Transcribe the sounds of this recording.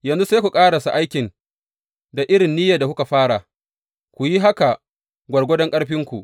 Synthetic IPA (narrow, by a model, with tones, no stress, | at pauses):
jɐ˨nzu˦seː˦kʷu˨kʼaː˦ɽa˨su˨ʔa˦jkʲɪ˨n | da˨ʔɪ˦ɽɪ˨nːiː˦jaː˨da˨ku˦ka˨ɸaː˦ɽa˨ | kʷu˨ji˦ɦa˦ka˨ | ɡʷɐ˨ɽɡʷɔ˦dɔ˦ŋkʼɐ˦ɽɸɪ˦ŋkʷṵ˨ʔ